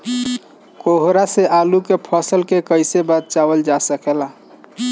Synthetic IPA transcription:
koɦɾaseʔalukepʰəsəlkekəjsebat̪̚t͡ʃabəld͡ʒasəkela

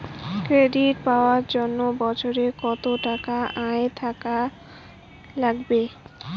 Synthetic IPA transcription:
kɾeɖiʈpaoaɾd͡ʑonːobɔt͡ɕʰoɾekɔt̪oʈakaʔaet̪ʰaka | laɡbe

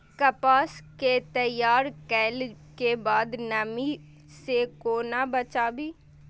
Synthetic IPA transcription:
kɐpaːsket̪əjaːɾkɛːl | kebaːd̪nəmi | sekoːnabət͡ʃaːbiː

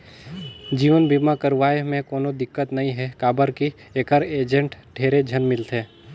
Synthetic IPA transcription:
d͡ʒiːʋənbiːmakəɾʋaːemẽkoːnõd̪ɪkːət̪nɐɦĩɦɛkaːbəɾki | eːkəɾeːd͡ʒə̃ɳʈʈʰeːɾed͡ʒʱənmɪlt̪ɦɛ̃ː

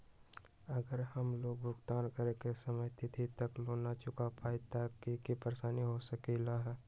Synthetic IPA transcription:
ɐɡəɾhəmloːɡ̚bʱʊkt̪aːnkəɾekesɐməjt̪it̪ʰit̪ɐkloːnat͡ʃʊkapaːit̪akekipəɾeʃaːniɦosəkelaɦɛː

